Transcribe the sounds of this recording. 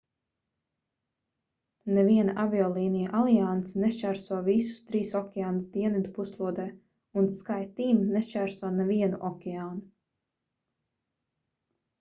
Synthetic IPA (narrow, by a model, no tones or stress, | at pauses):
nɛviɛnaʔaviɔːlˠiːnijaʔalˠiant̪sinɛst͡ʃæːɾsuɔvisu̥st̪ɾiːsɔkʲɛaːnsd̪iɛnid̪upuslˠuɔd̪ɛː | unskajt̪iːmnest͡ʃæːɾsɔnɛviɛnuʔɔkʲɛaːnu